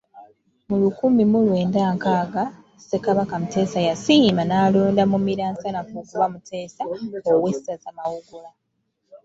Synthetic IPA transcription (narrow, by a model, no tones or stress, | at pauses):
mulukuːmimulwe̞ːndaːŋkaːɡa | se̞kaβakamute̞ːsajasimanaːloːndamumiɾaːnsanakukuβamutʰe̞ːsaowe̞sazamawuɡula